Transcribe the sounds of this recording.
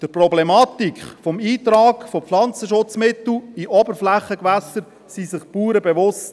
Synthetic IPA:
d̥əprɔblɛmɑt̪ikχfɔmiːt̪ɾɑːkfoflɑnt͡səʃʊt͡smɪt̪l̩iʔɔbəɾflæχəkʋæsəɾ | sisɪχpuːɾəbɛʋʊst

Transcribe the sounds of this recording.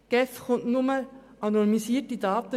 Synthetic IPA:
ɡ̥ɛfχʊntnʊmə | ʔɑnɔnimisiːətidɑːt̪ə

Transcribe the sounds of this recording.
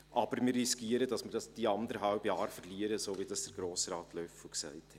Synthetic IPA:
ʔɑb̥əɾmiːriskiːəɾədɑsmidɑsd̥iːɑndəɾɦɑlbjɑːɾfəɾliəɾəsoːvidɑsd̥ɛɾɡ̥ɾoːsɾɑːtlœfuksæ̰ɪthɛ

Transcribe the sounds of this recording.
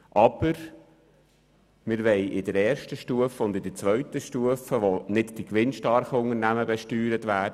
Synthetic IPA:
ʔɑb̥əɾ | mɪɾʋɛɪʔɪdəɾɛːɾʃtəʃtuəfəʊnd̪ɪdəɾt͡sʋœɥtəʃtuəfəʋonɪtd̥ikʋɪnʃtɑɾχəʊŋəɾnæməbɛʃtyːɾətʋæːd

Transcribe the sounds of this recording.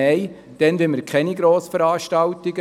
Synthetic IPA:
ɛɪ | d̥ɛnʋɪməɾkʰχɛniɡɾoːsfəɾɑːʃtɑltiɡ̥ə

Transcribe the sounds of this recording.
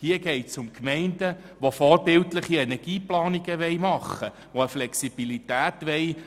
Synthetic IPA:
hiəɡ̥ɛɪtsʊmkmɛɪndə | ʋofɔːɾbɪltlɪχiɛnɛɡ̥iːplɑːniɡəʋɛɪmɑχə | ʋoəflɛksib̥ilitæːtʋɛj

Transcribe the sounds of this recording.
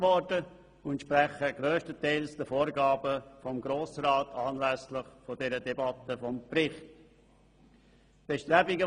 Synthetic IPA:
vɔɾdə | ʊntʃpɾɛχəɡ̥ɾøːʃtətʰɛɪlsd̥əfoːɾɡaːbəfɔmɡɾoːsɾaːtʰɑːnlɛslɪχfɔdɛɾədɛbɑtəfɔmpɾɪχt | b̥ɛʃtɾɛbɪɡə

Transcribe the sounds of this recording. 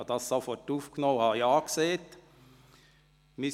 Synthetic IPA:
d̪ɑsɑfɔʈufkʰnoːhɑjɑːkseːt̪ | mɪ

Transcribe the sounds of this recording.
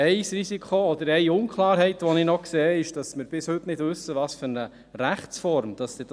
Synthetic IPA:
ɛɪsrisikʰχoɔd̪əɾɛɪʊnkχlˠɑːɾɦɛɪtʋɔnɪnɔkseːɪʃd̥ɑsmɪɾb̥ɪshʏtnɪdʋʉsːəʋɑːsfʏɾnə | ɾæχt͡sfɔɾmd̥ɑsd̥̪ɪd

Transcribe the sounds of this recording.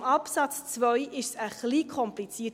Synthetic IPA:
mɑpsɑt͡st͡svœʏʔɪʃsəχliːkʰɔmplit͡siət

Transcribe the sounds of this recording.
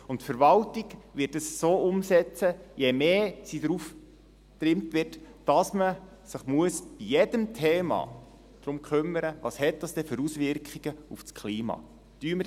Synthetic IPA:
ʊntfəɾʋɑltiɡʋɪtəssoːʔʊmsɛt͡səjemeːsidɾuf | tɾɪmtʋɪtd̥ɑsmə | sɪχmuəsb̥ijɛd̥əmtʰeːmɑ̰ | d̥ɾʊmkχʏmːəɾəʋɑshɛt̚dɑsd̥ɛføɾusʋɪɾkχiɡ̥əufskχliːmɑ̰ː | tyːmə

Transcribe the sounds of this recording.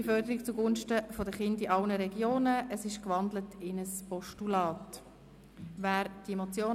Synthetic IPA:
ifœɾdəɾik̚t͡suɡʊnʃtəfɔdəχɪndiʔɑlnəɾɛɡjoːnəʔəsɪʃkʋɑndlətʰɪnəspɔʃtulɑːt | væːɾd̥iemot͡sjoː

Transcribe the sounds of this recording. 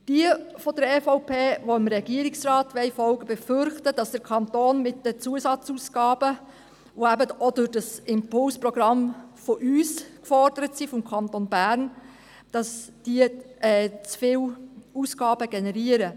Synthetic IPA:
d̥iəfɔdəɾɛfoʊpʰeːʋoɪmɾɛɡiəɾɪksrɑːtʋɛɪfɔlɡəbɛfʏɾχtəd̥ɑsd̥əɾkʰɑntoːnmɪt̚d̥ət͡suəsɑt͡suːsɡ̥ɑːb̥ə | ʋoæbəɔdʊd̥ɑsɪmpʊlspɾɔɡ̥ɾɑmfɔʔyːskfɔrd̥əɾətsifɔmkʰɑntonbæɾn | d̥ɑsd̥iːəʔɛːt͡sfɪːluːsɡ̥ɑːbəɡ̥ɛnɛɾiəɾə

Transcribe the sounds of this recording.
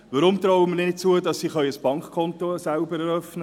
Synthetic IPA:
ʋɑɾʊmt̪ɾɔwəməɾnɪt̚t͡suədɑsːiχœʏəsb̥ɑŋkχkʰɔnt̪osælbəɾɛɾœfnə

